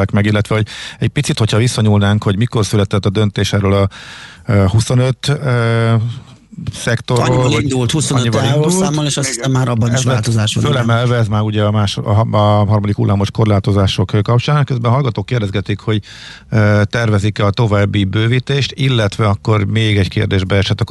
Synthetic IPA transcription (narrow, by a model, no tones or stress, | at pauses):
akmɛɡilːɛt̪ʋɛɦo̞ɟɛɟ̚pit̪sit̪ho̞chɒvisːɒɲuːlnaːŋkho̞ɟmiko̞rsylɛt̪ɛt̪ːɒd̪ønt̪eːʃɛrølɒ | huso̞nøt̪ː | sɛkt̪o̞roind̪ult̪husoɲːibɒid̪ulːmːoneːʃɒsi̥sɛmːaːɾɒbːɒnʃɛːlt̪ozaːʃofølɛmɛlvɛɛzmaːɾuɟɛɒmaːʃ | ɦɒrmɒd̪ikṵlːʔaːmo̞ʃko̞rlaːt̪o̞zaːʃo̞kkɒp̚t͡ʃaːnkøzbɛnɦɒlɡɒt̪oːkːeːrd̪ɛzɡɛt̪ikho̞ɟ | t̪ɛrvɛzikɒt̪o̞vaːbːibøːvit̪eːʃt̪ilːɛt̪ʋɛɒkːo̞rmeːɡɛɟkḛːrd̪eːʒbɛɛʃɛt̪ːɒk